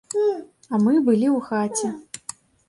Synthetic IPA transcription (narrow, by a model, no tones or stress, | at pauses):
ɐmɨbɨlʲiwxat͡sʲɛ